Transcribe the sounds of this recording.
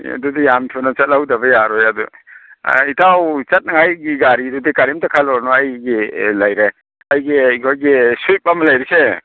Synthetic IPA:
dudijamtʰunɔt͡ʃɐt̚lawdabɐjaɾɔjadṵ | itawt͡ʃat̚naŋajɡiɡaɾidudikaɾimtakʰalɔɾnɔajɡilajɾe | ajɡikʰɔjɡesujp̚ːamalajɾese

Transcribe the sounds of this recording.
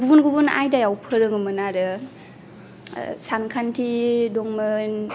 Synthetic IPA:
ɡubunɡubuna̰jdajawpʰɯɾɯŋɯmɯnaɾɯ | saŋkʰantʰidɔŋmɯn

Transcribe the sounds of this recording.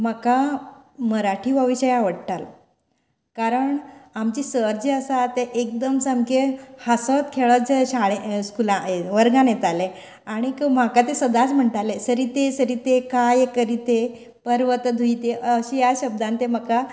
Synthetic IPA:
məkaməɾaʈʰiːʋəʋiɕəjaʋəɽt̪al | kaɾəɳamt͡ɕiːsəɾd͡ʑeəsat̪eʔek̚d̪əmsəmkehasət̪kʰeɭət͡sɕaɭeskulãeʋəɾɡãnjet̪ale | aɽ̃ikm̤akat̪esəd̪at͡sm̤əɳʈ̪alesəɾit̪esəɾiːt̪ekajekəɾit̪e | pəɾʋət̪d̪ʱujt̪eʔəɕijaɕəb̚d̪ãnt̪em̤əka

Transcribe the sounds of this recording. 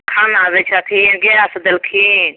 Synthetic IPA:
kʰaːnaʋet͡ʃʰat̪ʰiɡeasd̪ɐlkʰi

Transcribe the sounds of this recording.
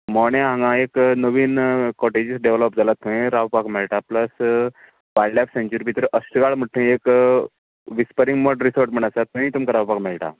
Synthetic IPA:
mɔɽ̃ẽɦãŋɡãeknəʋiːnkɔʈed͡ʑisɖeʋləp̚d͡zalat̪ʰːəẽɾaʋpakmɛɭʈapləs | ʋajlapsẽɲt͡ɕuɾbʱit̪ɾəʔəsʈəɡaɭm̤əʈʈ̪ʰːə̃ek | ʋispəɾiŋɡməɖɾisəɾʈm̤əɳ̃at͡sat̪ːəĩt̪umkaɾawpakmɛɭʈa̰

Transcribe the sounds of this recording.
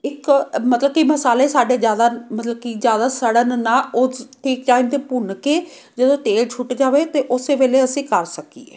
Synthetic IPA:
ɪkmət̪ləb̚kiməsaːleːsaːɖeːzjaːd̪aːmət̪ləb̚kizjaːd̪aːsəɽənnaːʊʈʰiːk̚ʈaːimt̪eːpʊnkeː | d͡ʒəd̪õːt̪eːlt͡ʃʰʊʈd͡ʒaːʋeːt̪eːʔʊseːʋeːleːəsĩːkəɾsəkḭːḛː

